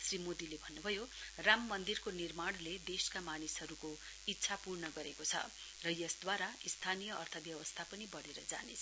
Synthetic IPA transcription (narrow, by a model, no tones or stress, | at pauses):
srimod̪ilebʱʌnːubʱʌjoramːʌnd̪irkonirmaɽ̃led̪eskamanisɦʌɾuko | itːsʰapurnʌɡʌɾekot͡sʰʌ̰ | rʌjʌsd̪waɾaist̪ʰanijʌːrt̪ʰʌbjʌwʌst̪ʰapʌnibʌɽeɾʌd͡za̰nḛt͡sʰ